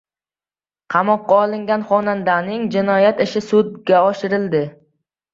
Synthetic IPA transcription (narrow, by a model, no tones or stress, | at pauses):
qʰɑmɒqːɑɒlˠɪŋɡʲanχɒnand̪anɪŋd͡ʒɪnɒjat̪ɪʃɪsʊd̪̚ɡʲaɒʃɪɾɪld̪ɪ